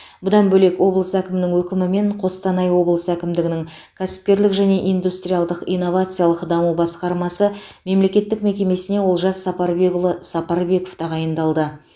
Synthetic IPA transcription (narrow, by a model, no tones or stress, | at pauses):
bʊd̪ɑnbɵle̞kwo̞blˠəsækʲɪmɪnɪŋwɵkʲɪmɪme̞ɴqʰo̞st̪ɑnɑjwo̞blˠəsækʲɪmd̪ɪɡʲɪnɪŋ | kʲʰæsɪ̥p̚kʲe̞ɾlɪkʒæne̞ʔijnd̪ust̪rʲijalˠd̪əqijnːo̞vat̪sɨjalˠəqd̪ɑmubɑsqɑɾmɑsəme̞mle̞kʲe̞t̪ːɪkme̞kʲe̞me̞sɪne̞wo̞lˠʒɑsɑpɑɾbsɑpɑɾbe̞ko̞ft̪ɑʁɑjənd̪ɑlˠd̪ə